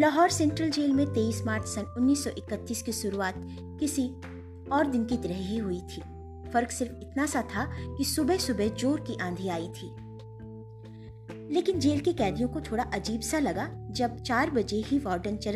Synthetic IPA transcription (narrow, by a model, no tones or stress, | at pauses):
lɐɦɔːɾsɛ̃ːɳʈɾəld͡ʒeːlmẽt̪eːiːsmaːɾt͡ʃʰsɐnʊnːiːsːɔʔɪkət̪ːiːskiʃʊɾuaːt̪̚ | kɪsi | ɔːɾd̪ɪnkit̪ɐɾɛɦɦiɦʊit̪ʰiː | fɐɾksɪɾfɪt̪nasat̪ʰakisʊbɛɦsʊbɛɦd͡ʒoːɾkiʔãːnd̪ʱiaːit̪ʰiː | leːkɪnd͡ʒeːlkekɛːd̪ijõkot̪ʰoːɽaʔɐd͡ʒiːbsalɐɡad͡ʒɐb̚t͡ʃaːɾbɐd͡ʒeɦiʋɔːɾɖənt͡ʃɐɾ